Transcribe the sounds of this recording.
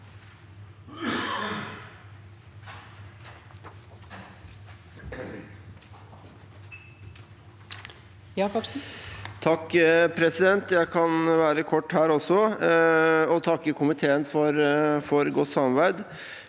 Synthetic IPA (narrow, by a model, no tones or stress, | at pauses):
jɑkɔs̩t̪ʰɑkːpʰɾɛsɪd̪ɛnt̪jæɪkʰɑnʋæːɾəkʰɔʈːhæːɾɔsɔ | ɔt̪ʰɑkːəkʰʊmɪt̪ʰeːənfɔɾfɔɾɡɔt̪ːsɑmɑʋæɪd̪